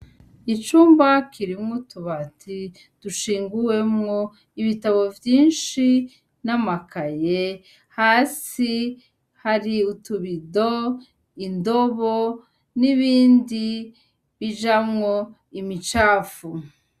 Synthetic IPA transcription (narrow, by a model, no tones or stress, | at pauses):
it͡ʃuːmbakʰiɾimŋotuβatʰi | d̥uʃiːŋɡuwe̞mŋo | iβitaβo̞vjiːnʃi | namakaje | haːsi | haɾiutuβido | indoβo | niβiːndi | βid͡ʒamŋo | imit͡ʃaːfu